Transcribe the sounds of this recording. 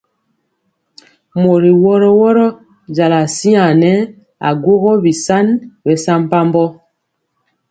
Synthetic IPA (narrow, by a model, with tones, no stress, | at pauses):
mo˨ɾi˨wɔ˦ɾɔ˦wɔ˦ɾɔ˦ | d͡ʒa˨la˨si˦a˨nɛ˦ | a̰˨ɡwo˦ɣɔ˦bi˨sa˦nbɛ˨sa˦m˦pa˦m˦bɔ˦